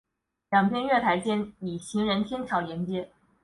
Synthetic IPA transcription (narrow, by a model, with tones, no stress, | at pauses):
ljɑ˨˩ŋpʰjɛ˥nɥɛ˥˩t̪ʰa˧˥ɪt͡ɕjɛ˥ni˨˩ɕʰi˧˥ŋɻə˧˥nt̪ʰjɛ˥nt͡ɕʰjɑ˧˥ʊljɛ˧˥nt͡ɕjɛ˥